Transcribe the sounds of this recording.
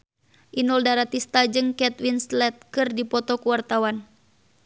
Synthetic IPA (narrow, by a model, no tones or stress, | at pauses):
ʔinuldaɾat̪ist̪ad͡ʒɨŋkɛt̪winslɛt̪̚kɨrdipɔt̪ɔkuwart̪awan